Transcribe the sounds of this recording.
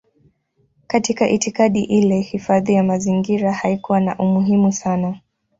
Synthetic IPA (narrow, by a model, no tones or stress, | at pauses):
katikaʔitikaɗiʔilɛhifaðijamaziŋɡiɾahaikuwanaʔumuɦimusana